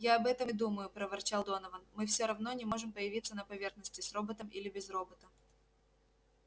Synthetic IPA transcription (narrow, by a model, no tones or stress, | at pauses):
jaɐbɛt̪əmd̪uməjʊpɾəvɐrt͡ɕalˠd̪onəvənmɨfsʲoɾɐvno̞nʲɪmo̞ʐɨmpəjɪvʲit̪sənəpɐvʲe̞rxnəsʲtʲɪsro̞bət̪əmʔilʲɪbʲɪzro̞bət̪ə